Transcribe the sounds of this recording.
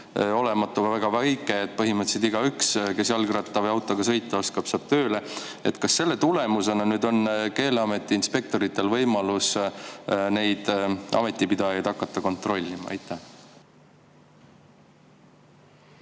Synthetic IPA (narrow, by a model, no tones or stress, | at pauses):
o̞le̞mɑt̪ːˑuvvæɡ̥ɑvæjkːˑeet̪̚ːˑpɤɦimɤt̪ːselt̪iɡ̥ɑykske̞sjɑlɡrɑt̪ːˑɑvɤjɑwt̪ːˑo̞ɡ̥ɑsɤ̞jt̪ˑːɑo̞skɑb̥sɑːb̥̚t̪ø̞ːle̞ | e̞t̪kɑsːe̞lːe̞t̪ule̞muse̞nɑnyːd̪o̞nke̞ːleɑme̞t̪ːˑiinspe̞k̚t̪o̞ɾit̪ːˑe̞lvɤjmɑlus | ne̞jd̪̥ʔɑ̰me̞t̪ˑːipid̪̥ɑjɑjd̪̥ɑkːˑɑt̪ːɑko̞nt̪ˑro̞lʲːimɑ̰ɑ̰jt̪ːæh